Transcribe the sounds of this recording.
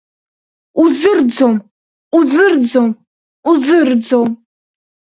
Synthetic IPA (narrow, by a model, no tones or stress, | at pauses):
uzɨrd͡zom | uzɨrd͡zom | uzɨrd͡zom